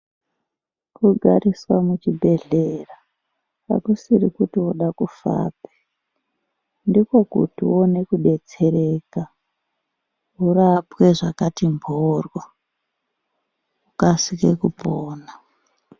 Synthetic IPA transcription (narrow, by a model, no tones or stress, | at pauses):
kuɡʱaɾiswamut͡ʃibʱe̞ɮera | a̰kusirikutiwoɗakufa̰ːpe̥ | ndiko̞kṵtiwonekuɗe̞t͡se̞ɾeːka | ɦurapweʐakatimbʱorwo | ukasikekupoːna